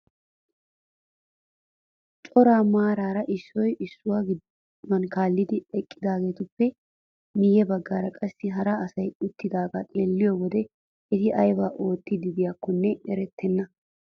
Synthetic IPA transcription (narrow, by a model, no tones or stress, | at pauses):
t͡ʃʼɔɾaːmaːɾaːɾɐʔɪʃːɔjʔɪʃːʊwaːɡd̪ | mɐnkaːlːɪd̪ɪɛkʼːɪd̪aːɡe̞ːt̪ʊpːɛ | mɪjɛbɐɡːaːɾɐkʼɐsːɪɦɐɾaɐsɐjʊt̪ːɪd̪aːɡat̪ʼeːlːɪjoːwɔd̪ɛ | ɛt̪ɪʔɐjbaːʔo̞ːt̪ːɪd̪ɪd̪ɪjaːkːɔnːɛɛɾɛt̪ːɛnːɐ